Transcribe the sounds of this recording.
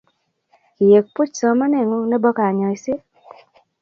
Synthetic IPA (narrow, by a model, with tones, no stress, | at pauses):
ki˨je˨k̚pu˦t͡ʃsɔ˨ma˦nɛ˦˨ŋɔ˦nɛ˦bɔ˦ka˨ɲɔ˨i˨sɪ˦